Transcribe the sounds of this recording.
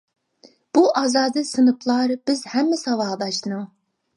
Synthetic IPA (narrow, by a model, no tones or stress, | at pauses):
b̥uʔɑːzɑːd̪ɨsɨnɨpʰlˠɑɾb̥ɪzhɛmːɪsɑwɑːd̪ɑʃnɨŋ